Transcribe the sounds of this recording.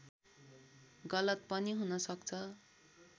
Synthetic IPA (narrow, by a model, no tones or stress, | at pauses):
ɡʌlʌt̪̚pʌniɦunʌsʌkt͡sʰʌ